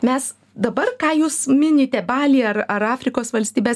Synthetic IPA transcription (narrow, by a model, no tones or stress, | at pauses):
mʲɛs | d̪ɐbɐrkɑːjuːsmʲɪnʲɪt̪ʲɛbɑːlʲiːɐrɐɾɑːfʲɾʲɪkoːsʋɐlʲsʲt̪ʲiːbʲeːs